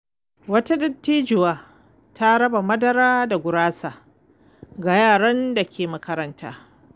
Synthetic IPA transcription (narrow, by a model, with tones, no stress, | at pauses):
wɐ˦ta˦dɐ˦tːiː˦d͡ʒɪ˨waː˦ | ta˦ɾɐ˦ba˨mɐ˦dɐ˦ɾaː˦da˨ɡʷʊ˨ɾaː˦saː˨ | ɡa˨jaː˦˨ɽɐ˦nda˨kʲʰeː˨mɐ˨kɐ˦ɾɐ˦nta̰ː˦